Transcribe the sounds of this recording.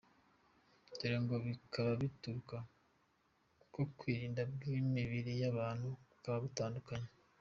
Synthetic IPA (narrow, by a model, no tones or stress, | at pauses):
ɟiɾaŋɡo̞βikʰaβaβituɾuka | uko̞kwiːɾiːndab̚ɡimiβiɾijaβaːn̥huikaβaβitaːndukaɲe